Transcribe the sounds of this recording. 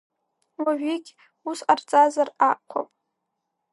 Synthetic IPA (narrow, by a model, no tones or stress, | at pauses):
waʒᶣiɡʲ | usart͡sʼazaraqʷʰa̰pʼ